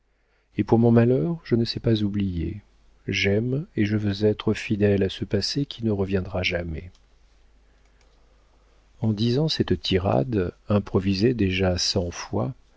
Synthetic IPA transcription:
epuʁmɔ̃malœʁʒənəsɛpazublijḛ | ʒɛmeʒəvøzɛt̪χəfid̪ɛlasəpasekʲʰinəʁəvjɛ̃d̪ʁaʒamɛ | ɑ̃d̪izɑ̃sɛt̪t̪ʰiʁa̰d̪ɛ̃pχɔvized̪eʒasɑ̃fwa̰

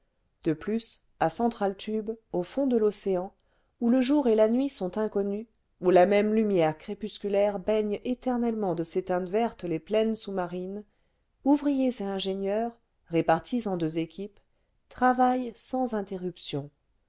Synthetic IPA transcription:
d̪̥əplys | asɑ̃t̪χalt̪ʰybofɔ̃d̪əlɔseɑ̃ | uləʒuʁelanɥisɔ̃t̪ɛ̃kɔny | ulamɛmlymjɛʁkχepyskʲylɛʁbɛɲet̪ɛʁnɛlmɑ̃d̪əset̪ɛ̃t̪vɛʁt̪leplɛnsumaʁin | uvʁijezeɛ̃ʒenjœːʁː | epaʁt̪ʰisɑ̃d̪øzekʲip | t̪χavajsɑ̃zɛ̃t̪eʁypsjɔ̃

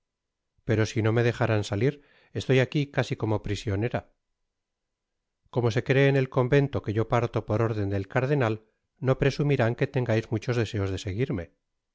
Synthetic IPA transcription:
pe̞ɾo̞sino̞me̞ðe̞xaɾansaliɾ | e̞st̪o̞jakikasiko̞mo̞pɾisjo̞neɾa | ko̞mo̞se̞kɾe̞ːne̞lko̞mbe̞nt̪o̞ke̞ʝo̞paɾt̪o̞po̞ɾo̞ɾðe̞nd̪e̞lkaɾð̞e̞nal | no̞pɾe̞sumiɾaŋke̞t̪e̞ŋɡajzmut͡ʃo̞zðe̞se̞o̞zðe̞se̞ɣ̞iɾme̞

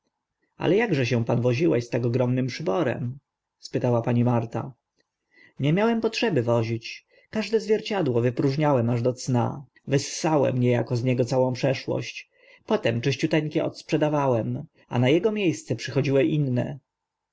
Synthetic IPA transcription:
a̰lɛjaɡʐɛɕ̬ɛ̃panvɔʑiwɛ̰ɕst̪aɡɔɡɾɔmnɘmpʂɘbɔɾɛ̰m | spɘt̪awapaɲimaɾt̪a̰ | ɲɛmʲjawɛmpɔtʂɛbɘvɔʑit͡ɕ | kaʐd̪ɛzvʲjɛɾt͡ɕad̪wɔvɘpɾuʐɲawɛmaʐd̪ɔt̪sna̰ | vɛsːawɛ̰mɲɛjakɔzɲɛɡɔt̪sawɔ̃w̃pʂɛʂwɔ̰ɕt͡ɕ | pɔt̪ɛmt͡ʂɪɕt͡ɕut̪ɛŋkʲɛʔɔ̰t̪spʂɛd̪avawɛm | a̰najɛɡɔmʲjejst̪sɛpʂɘxɔd͡ʑiwɛʔinːɛ̰

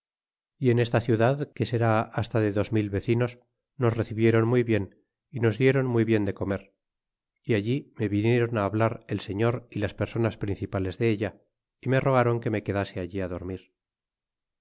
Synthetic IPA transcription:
ie̞ne̞st̪aθjuðaðke̞se̞ɾaast̪aðe̞ðo̞zmilβe̞θino̞s | no̞sre̞θiβje̞ɾo̞nmujβje̞n | ino̞zðje̞ɾo̞nmujβje̞nd̪e̞ko̞me̞ɾ | iaʎime̞βinje̞ɾo̞naːβlaɾe̞lse̞ɲo̞ɾilaspe̞ɾso̞naspɾinθipale̞zðe̞eʎa | ime̞ro̞ɣ̞aɾo̞ŋke̞me̞ke̞ðase̞aʎiaðo̞ɾmiɾ

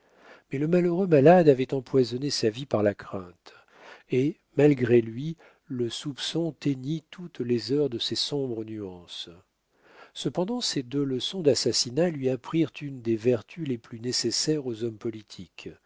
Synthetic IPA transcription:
mɛləmaløʁømalad̪avɛt̪ɑ̃pwazɔnesavipaʁlakχɛ̃t̪ | e | malɡʁelɥi | ləsupsɔ̃t̪eɲit̪ʰut̪lezœʁd̪əsɛsɔ̃bʁənyɑ̃s | səpɑ̃d̪ɑ̃sed̪øləsɔ̃d̪asasinalɥiapχiʁt̪ynd̪evɛʁt̪ʰyleplynesesɛʁozɔmpɔlit̪ʰik

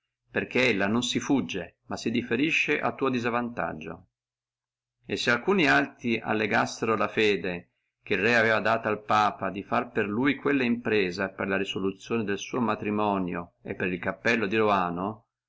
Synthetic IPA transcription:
perk̟eelːanonsifud͡ʒːemasːid̪ifeɾiʃːeʔa̰t̪ːuːod̪izavant̪a̰d͡ʒːo̰ | esːealkuːnialt̪ɾiʔa̰lːeɡasːeɾolafɛːd̪e | k̟erɛavɛːvad̪aːt̪oalpaːpad̪ifarperlujkwelːaimpɾɛːzaperlaɾisolut̪sːjoːned̪elsuːomat̪ɾimɔːnjoḛpːeɾilkapːɛlːod̪iɾoaːno

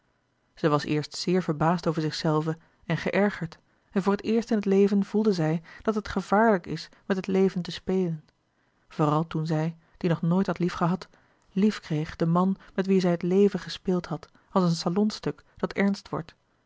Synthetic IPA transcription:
z̥ɛjʋɑsɪ̰ːɹstsɪːɹvəɹbaːstowvəɹzɪχsɛlˠvə | ɛnχəʔɛɹχəɹt | ɛnvoːɹətɪːɹstɪnɦətlejvənv̥ulˠdəzɛjd̥ɑtɦətχəv̥aːɹləkɪs | mɛtɦətlejvəntəspejlən | v̥oːʁɑlˠtunzɛj | d̥inɔχnoːjtɦɑtlifχəɦɑt | lifkrejχd̥əmɑnmɛtʋizɛjətlejvəχəspɪːlˠtɦɑt | ɑlˠsənsalɔnstɵkd̥ɑtɛɹnstʋɔ̰ɹt

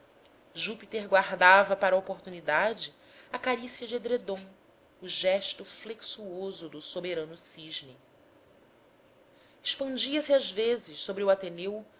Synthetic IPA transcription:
ʒupit̪eɾɡwaɦd̪avɐpaɾɐopoɾt̪unid̪ad͡ʒɪ | ɐkaɾisjɐd͡ʒɪed̪ɾed̪õ | ʊʒɛʃt̪ʊfleksuozʊd̪ʊsobeɾɐ̃nʊsiʒni | iʃpɐ̃d͡ʒiɐsiazvezɪʃsobɾiuat̪enew

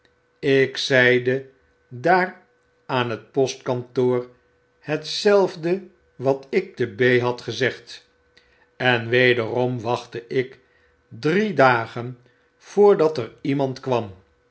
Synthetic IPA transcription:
ɪksɛjdə | daːr | aːnɦət̚pɔstkɑntoːɹ | hətsɛlˠvdə | ʋɑtɪk̚təbejɦɑtχəzɛχt | ɛnʋejdərɔmʋɑχtəʔɪk | dridaːχən | v̥ʊːɹdɑtərimɑntkʋɑm

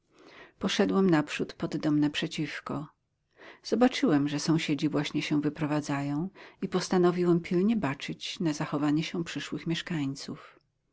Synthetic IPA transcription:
pɔʂɛd̪wɛmnapʂut̪pɔd̪ːɔmnɛpʂɛt͡ɕifkɔ | z̥ɔbat͡ʂɘwɛmʐɛsɔ̃w̃ɕed͡ʑivwaɕɲɛɕɛw̃vɘpɾɔvad̪zajɔ̃w̃ipɔst̪anɔvʲiwɛmpʲʰilɲɛbat͡ʂɘt͡ɕnazaxɔvaɲɛɕɛ̃pʂɘʂwɘxmʲjɛʂkaɲt̪suf

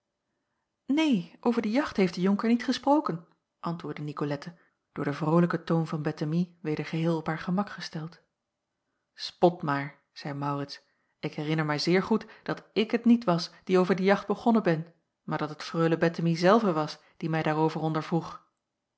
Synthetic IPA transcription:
nejʔowvəɹdəjɑχtɦejfd̥əjʊŋkəɹnitχəsprowkən | ʔɑntʋʊːɹdənikolɛtə | d̥ʊːɹdəvrowləkətownvɑnbɛtəmiʋejdəɹχəɦɪːlˠɔpɦaːɹχəmɑkχəstɛlˠt | spɔtmaːɹ | z̥ɛjmɑwrɪts | ɪkɦɛrɪnəɹmɛjzɪːɹχutd̥ɑtɪkɦətnitʋɑsd̥iowvəɹdəjɑχd̚bəχɔnəbɛn | maːɹdɑtətfrøɥləbɛtəmizɛlˠvəʋɑs | d̥imɛjdaːɹowvərɔndəɹvruχ

